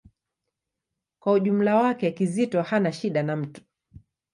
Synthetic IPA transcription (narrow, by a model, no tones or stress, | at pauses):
kwauʄum̩lawakɛkizitɔhanaʃiɗanam̩tu̥